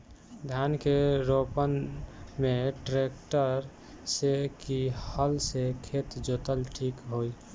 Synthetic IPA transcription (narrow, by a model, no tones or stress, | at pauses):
d̪ʱjankeɾopənmeʈɾek̚ʈəɾ | sekihəlsekʰet̪d͡ʒot̪əlʈʰikɦoi